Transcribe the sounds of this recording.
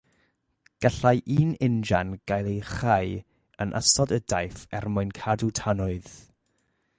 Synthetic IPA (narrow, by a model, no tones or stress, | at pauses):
ɡ̥aɬajʔiːnɪnd͡ʒanɡ̥ajlˠejχaj | ənʔa̰sɔdədajfɛrmʊɨnkʰadutʰanʊɨð